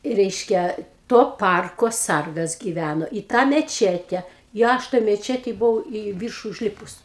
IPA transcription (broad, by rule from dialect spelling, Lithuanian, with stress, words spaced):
ˈrʲɛɪʃʲkʲɛ ˈtoː ˈpɐrkoː ˈsɐrɡɐs ɡʲɪˈʋʲænoː iː tɑː mʲɛˈt͡ʃʲæːtʲɛ ɪ ˈɐʃ toːj mʲɛˈt͡ʃʲæːtʲeːj bʊˈʋɐʊ iː ˈʋʲiːrʃʊ ʊʒʲˈlʲɪpʊs